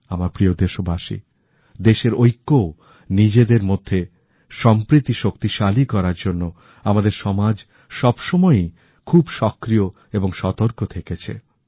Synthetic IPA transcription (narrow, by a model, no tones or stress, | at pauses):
amaɾpɾiod̪eʃobʱaʃḭ | d̪eʃeɾojkːo | nid͡ʑed̪eɾmod̪ʱːe | ʃɔmpɾit̪iʃokt̪iʃalikɔɾaɾd͡ʑonːo | amad̪eɾʃɔmad͡ʑ | ʃɔbʃɔmɔe | kʰubʃɔkːɾijo | eboŋʃɔt̪oɾkot̪ʰeket͡ɕʰḛ